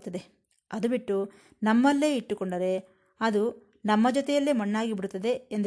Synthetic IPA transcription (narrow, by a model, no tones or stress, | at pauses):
t̪ːɐd̪e | ɐd̪ubiʈːu | nɐmːɐlːe̞ːiʈːukɔɳɖɐɾe̞ | ɐd̪u | nɐmːɐd͡ʒɔt̪ɛjɐlːeːmɐɳːaːɡibiɽut̪ːɐd̪e̞ːnd̪